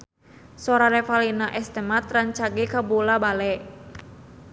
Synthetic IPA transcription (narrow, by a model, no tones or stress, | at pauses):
sɔɾaɾɛfalinaʔɛst̪əmat̪rant͡ʃaɡekabulabalɛ